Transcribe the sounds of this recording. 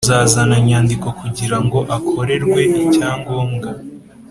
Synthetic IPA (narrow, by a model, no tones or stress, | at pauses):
zaːzanaɲaːndiko̞kuɟiɾaŋɡo̞ʔakʰo̞ɾe̞ɾɡwe̞ʔicaːŋɡo̞ːŋɡa